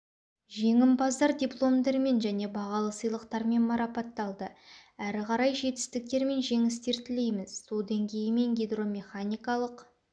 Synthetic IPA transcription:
ʒe̞ŋɪmbɑzd̪ɑɾdʲiplˠo̞md̪eɾme̞nʒæne̞bɑʁɑlˠəsəjlˠəqt̪ɑɾme̞nmɑɾɑpɑt̪ːɑlˠd̪əæɾɪqʰɑɾɑjʒe̞t̪ɪ̥st̪ɪk̚t̪e̞ɾme̞nʒe̞ŋɪst̪e̞ɾt̪ʰɪle̞jmɪzsolˠd̪eŋkʲʰe̞jɪme̞ŋɡʲejd̪ro̞mʲe̞χanʲijkɑlˠəq

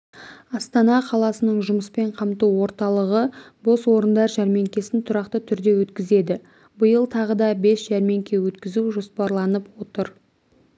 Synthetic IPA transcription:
ɑst̪ɑnɑqʰɑlˠɑsənəɴʒʊməspe̞ɴqʰɑmt̪uwo̞ɾt̪ɑlˠəʁə | bo̞swo̞ɾənd̪ɑɾʒæɾme̞ŋkʲe̞sɪnt̪ʰʊɾɑqt̪ət̪ʰʏɾd̪e̞wɵt̪kʲɪze̞d̪ɪ | bəjəlˠt̪ʰɑʁəd̪ɑbe̞sʒ̥æɾme̞ŋkʲe̞wɵt̪kʲɪzuʒo̞spɑɾlˠɑnəpwo̞t̪əɾ

